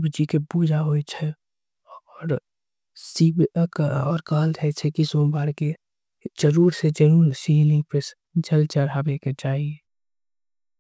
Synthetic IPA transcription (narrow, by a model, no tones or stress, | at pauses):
bd͡ʒikebuːd͡ʒaɦoːit͡ʃʰɛ | ɔːɾ | siːbkɔːɾkaːltʰɛt͡ʃʰekisõːbaːɾke | d͡ʒəɾuːɾsed͡ʒəɾuːlsiːlɪ̃pɪs | d͡ʒɐlt͡ʃəɾabeket͡ʃaːɦie